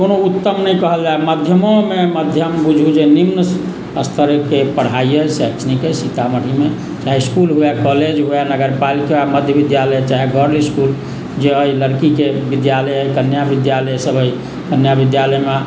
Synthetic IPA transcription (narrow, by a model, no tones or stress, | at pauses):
konout̪ːəmnəĩkəɦəld͡ʒaeməd̪ʱjəmõmeməd̪ʱjəmbud͡ʒʱud͡ʒenimnəs | əst̪ʰəɾkepəɽ̤aiəseksnikesit̪aməɽ̤ime | t͡ʃaɦɛskulɦoakɔled͡ʒɦoanəɡəɾpalikaaməd̪ʱjəbid̪jaləjt͡ʃaɦɛɡʱɔɾliskul | d͡ʒeəiləɾkikebid̪jaləjkənjabid̪jaləjsəbʱəi | kənjabid̪jaləjme